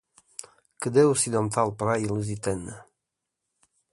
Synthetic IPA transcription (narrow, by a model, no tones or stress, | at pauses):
kəd̪eusid̪ɔnt̪alˠpɾajiluzit̪ɛnə